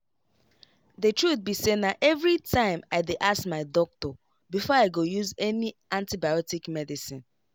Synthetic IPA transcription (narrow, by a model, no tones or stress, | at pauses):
ðətɹut̪̚bisenaʔɛvɹitʰãɪ̃maɪdeʔasmaɪdɔk̚tɔ | bifɔaɪɡojuzɛniãntibajɔtikmɛdisĩn